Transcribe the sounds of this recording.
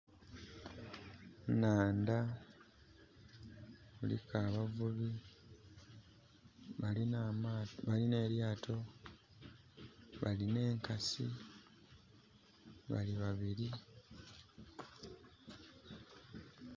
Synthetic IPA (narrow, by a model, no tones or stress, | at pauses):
naːnda | βulḭkʰaːβavuβi | namβaline̞ːɾjaːtʰo̞ | βa̰line̞ːŋkasi | βa̰liβaβiɾi